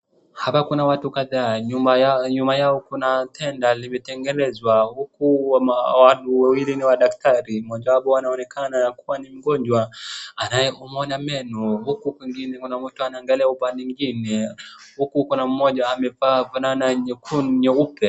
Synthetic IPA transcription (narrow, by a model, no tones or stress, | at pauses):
hapakunawatukaðaːɲumaaɲumbajaɔkunatʰɛndalimɛtɛŋɡɛlɛzwahukuwamawanuwawiliniwaɗaktaɾimɔʄawaɓɔwanaɔnɛkʰanaakuwanim̩ɡɔɲd͡ʒwaanajɛumɔnamɛnɔhukukwɛŋɡinɛkunam̩tuanaɛŋɡalɛaupaniŋɡinɛhukukunam̩mɔʄaːmɛvavananaɲɛkʰunɲɔupɛ